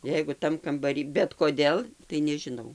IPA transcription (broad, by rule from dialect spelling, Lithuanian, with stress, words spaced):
ˈjɛɪɡʊ ˈtɐm kɐmbɐˈrʲiː bʲɛt koːˈdʲeːlˠ tɐɪ nʲɛʒʲɪˈnɐʊ